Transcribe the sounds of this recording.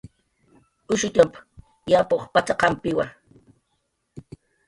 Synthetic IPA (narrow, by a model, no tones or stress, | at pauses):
ʊʃʊt̪amp | japoχpat͡ʃaqɑmpɪwaŋ